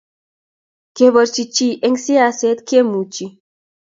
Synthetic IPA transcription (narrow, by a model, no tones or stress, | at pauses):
keβəɾt͡ʃit͡ʃiʔeŋɡsiaset̪kemut͡ʃi